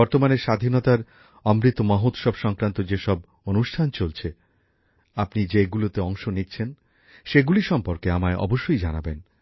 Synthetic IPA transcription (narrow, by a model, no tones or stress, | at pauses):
ɔɾt̪omaneɾʃad̪ʱinɔt̪aɾ | ɔmɾit̪ːomaɦot̪ʃɔbʃɔŋkɾant̪od͡ʑeʃɔb | onuʃʈʰant͡ɕolt͡ɕʰe | apnid͡ʑeɡulot̪eɔŋʃonit̪ːɕʰen | ʃeɡuliɾʃɔmpoɾkeamaeʔɔ̰boʃːojd͡ʑanaben